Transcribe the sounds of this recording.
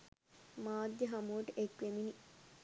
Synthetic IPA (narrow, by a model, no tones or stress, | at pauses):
maːd̪jəɦamuʋəʈəʔekʋemini